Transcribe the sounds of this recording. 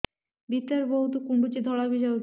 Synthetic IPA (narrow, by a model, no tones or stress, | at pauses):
bit̪ːaɾboɦut̪ukuɳɖut͡ɕid̪ʱɔɭabiʃa